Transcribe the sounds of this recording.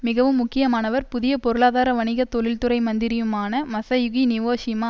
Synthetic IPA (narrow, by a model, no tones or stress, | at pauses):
mɪɣɐʋɯmːʊkːɪjɐmaːnɐʋɐɾpʊðɪjɐpɔɾɯɭaːðaːɾɐʋɐnɪɣɐt̪ːɔɭɪlt̪ɯɾɐɪmɐnd̪ɪɾɪjɯmaːnɐmɐsɐjʊɣinɪʋoːsɪmaː